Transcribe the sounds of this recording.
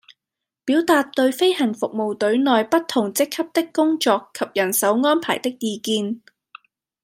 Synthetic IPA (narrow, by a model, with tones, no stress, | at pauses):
piː˨˥wt̪aː˨˧t̚t̪ɵ˧ɥfe˥jhɐ˨˩ŋfʊ˨k̚mo˨wt̪ɵ˨˥ɥnɔː˨jpɐ˥tt̪ʰʊ˨˩ŋt͡sɪ˥kʰːɐ˥p̚t̪ɪ˥kːʊ˥ŋt͡ʃɔː˧kʰːɐ˨p̚jɐ˨˩nsɐ˨˥wŋɔː˥npʰa̰ː˨˩jt̪ɪ˥k̚jiː˧kiː˧n